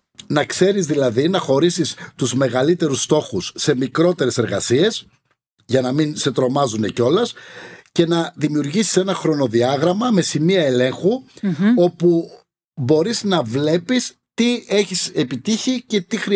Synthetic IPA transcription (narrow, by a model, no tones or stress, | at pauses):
nɐkse̞ɾizðilɐðinɐxo̞ɾisist̪uzme̞ɣɐlit̪e̞ɾust̪o̞xusːe̞mikɾo̞t̪e̞ɾe̞se̞ɾɣɐsie̞s | ʝɐnɐminse̞t̪ɾo̞mɐzune̞co̞lɐsce̞nɐðimiuɾʝisi̥se̞nɐxɾo̞no̞ðiɐɣɾɐmɐme̞simiɐe̞le̞ŋxuo̞pu | bo̞ɾiznɐvle̞pis | t̪ie̞çise̞pit̪içice̞t̪ixɾi